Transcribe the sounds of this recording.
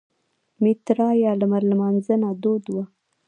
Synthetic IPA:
mɪt̪ɾɑjɑləmaɾlmɑnzənad̪od̪wa

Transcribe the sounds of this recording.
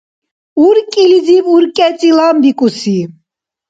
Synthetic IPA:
uɾkʼilid͡z̪ipuɾkʼɛt͡sʼilambikʼusi

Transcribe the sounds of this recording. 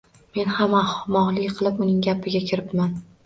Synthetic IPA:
me̞nhamamɒʁlˠɪkʲqʰɨlˠɪpʊnɪŋɡʲapʰɪɡʲakʲʰɪɾɪpman

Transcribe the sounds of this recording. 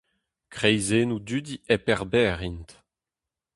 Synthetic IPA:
kχɛjzenud̪yd̪iepɛʁbɛːʁint

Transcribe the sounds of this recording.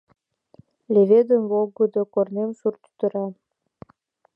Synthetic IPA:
lʲeved̪ənvolɡəd̪okornemʃurt̪y̥t̪ə̆ɾɑ

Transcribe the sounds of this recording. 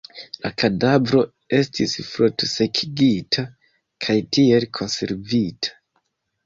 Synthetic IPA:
lakʰadavɾo̞ | e̞stisfɾutse̞kʰiɡitʰa | kʰajtie̞lkʰo̞nse̞̰ɾvitʰḁ

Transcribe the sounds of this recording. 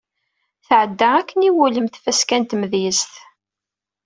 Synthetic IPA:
θʕəd̪ːaækːəniwuləmθfæskænt̪məðjəsθ

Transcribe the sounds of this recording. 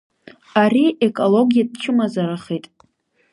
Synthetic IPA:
aɾiʔekʼolo̞ɡʲijad̚t͡ʃʰɪmazaɾaχejtʼ

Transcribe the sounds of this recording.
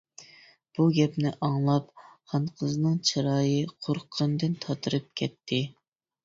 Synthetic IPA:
b̥uɡʲɛpnɪʔɑŋlˠɑpχɑnqʰəznɨŋt͡ʃʰɨɾɑːjɨqʰoɾqʰənd̪ɨnt̪ʰɑt̪ʰɨɾɨp̚kʲʰɛt̪ʰːɪ

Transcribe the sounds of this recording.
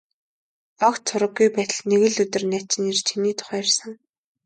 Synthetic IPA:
ɔkt̪t͡sʰʊɾə̆ɡːujpæːt̪ə̆ɮneɣɘ̆ɮɵt̪ɘ̆rnæːt͡ɕɪ̆nirt͡ɕʰiniːt̪ʰʊ̥χæːrsə̆ŋ

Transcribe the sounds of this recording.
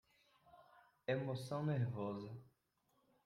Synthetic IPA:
emosɐ̃w̃neɾvɔzɐ

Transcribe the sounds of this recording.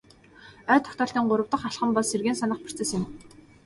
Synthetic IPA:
œːt̪ʰːɔ̥xt̪ɔːɬt̪iːŋɢʊɾə̆wt̪ə̆χaɬχə̆mpɔserɣeːnsanə̆χpi̥t͡sĕsɪ̆m

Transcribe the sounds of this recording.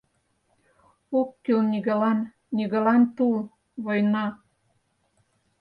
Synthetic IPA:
okːylnʲiɣelɑn | nʲiɣə̆lɑnt̪ul | βojnɑ

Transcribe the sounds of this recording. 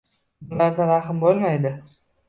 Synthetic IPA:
ʊnlaɾd̪aɾɑχɪmbolˠmajd̪ɪ

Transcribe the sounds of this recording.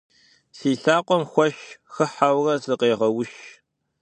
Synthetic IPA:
siːɬaːqʷɔmxʷɔʃxɨħawrɐzɨqeːʁɐwʊʃ

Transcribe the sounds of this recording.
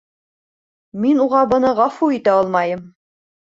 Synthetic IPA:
minuʁɑbɤ̆nɤʁɑfuit̪æolˠmɑjɤm

